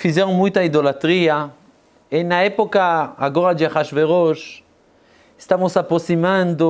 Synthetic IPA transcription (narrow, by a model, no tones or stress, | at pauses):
fizɛɾõmũjt̪aid̪olat̪ɾia | enɐɛpokaːɡoɾad͡ʒ̪ɪaχaʃveɾoʃ | est̪amosapɾosimãnd̪o